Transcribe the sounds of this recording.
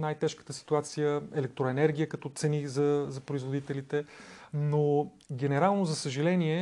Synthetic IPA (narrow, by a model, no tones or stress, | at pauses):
najt̪ɛʃkət̪əsi̥t̪uat̪sijəɛlɛk̚t̪ɾoɛnɛɾɡʲijəkɐt̪ɔt̪sɛnizɐzɐpɾoizvod̪it̪ɛlit̪ɛno | ɡʲɛnɛɾalˠnozɐsəʒɐlɛniɛ